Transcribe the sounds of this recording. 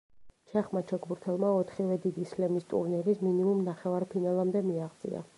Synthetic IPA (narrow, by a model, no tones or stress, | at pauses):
t͡ʃʰɛχmat͡ʃʰɛkbuɾt̪ʰɛlˠmaɔt̪ʰχivɛd̪id̪islɛmist̪ʼṵɾnɛɾisminimumnaχɛvaɾpʰinalˠamd̪ɛmiaχt̪sʼḭa̰